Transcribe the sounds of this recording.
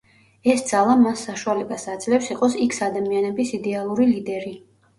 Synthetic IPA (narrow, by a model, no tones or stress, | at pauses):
ɛsd̪z̥alˠamasːaʃualɛbasad̪zlɛpsiqʼɔsikʰsad̪amianɛbisid̪ɛalˠuɾilid̪ɛɾi